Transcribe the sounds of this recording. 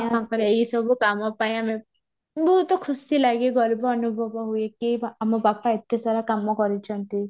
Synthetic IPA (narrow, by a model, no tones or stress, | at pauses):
amakɔɾeeɦisɔbʱukamɔpaĩame | buut̪ɔkʰusilaɡeɡɔlbɔːnubʱɔbɔɦujekiamɔbapaet̪jasaɾakamɔkɔɾit͡ʃʰɔnt̪i